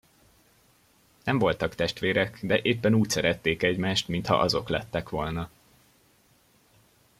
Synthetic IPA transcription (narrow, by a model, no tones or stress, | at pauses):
nɛɱvo̞lt̪ɒkt̪ɛʃt̪ʋeːɾɛkd̪ɛʔeːpːɛnuːcsɛɾɛt̪ːeːkɛɟmaːʃt̪mint̪hɒ̰ʔɒzo̞klɛt̪ːɛkʋo̞lnɒ